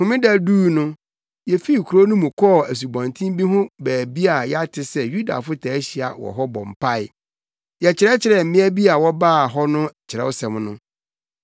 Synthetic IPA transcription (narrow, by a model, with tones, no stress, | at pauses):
hʊ̃˨˦mɪ̃˦da˨duː˦˨nʊ̃˦ | jɛ˨fi˦˨kʰu˨ɾo˦nʊ̃˦mũ˨kʰɔ˦˨æ˨s̬u˨bã˨ntʰĩ˦m˦bi˦ɦʊ̃˦bæː˨bi˦a˨jɛ˦a˦tʰɪ˨sɛ˦ju˦da̰˨fʊ˦tʰaː˨˦ɕi˨a̰˨wɔ̰˨ɦɔ˦bɔ̰̃˨m˨pʰa˦ɪ˨ | jɛ˨t͡ɕʰɪ˨ɾɛ˦t͡ɕʰɪ˨ɾɛ˨m̩˨mɪ̃˦æ˦bi˦a˨wɔ˦baː˦˨ɦɔ˦nʊ̃˦˨t͡ɕʰɪ˨ɾɛ̰˦wʊ˦sɛ̃˨mnʊ̃˦